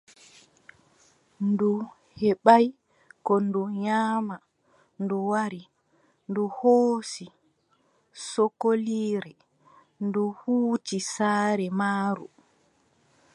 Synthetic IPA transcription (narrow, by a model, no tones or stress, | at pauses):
ndu | hɛɓaj | kɔnduɲaːma | nduwaɾi | nduhoːsi | sokːoliːɾɛ | nduhuːtisaːɾɛmaːɾṵ